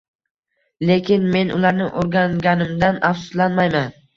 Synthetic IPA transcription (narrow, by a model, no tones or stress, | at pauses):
le̞kʲʰɪnme̞nʔʊ̰lˠaɾnɪʔoɾɡʲaŋɡʲanɪmd̪anafsʊ̥slanmajman